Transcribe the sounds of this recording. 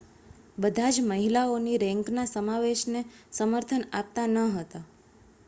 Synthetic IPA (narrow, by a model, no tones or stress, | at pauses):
bəd̪ʱad͡ʒməɦilaoniɾɛ̃ŋknasəmaʋeʃnesəməɾt̪ʰənap̚t̪anəɦət̪a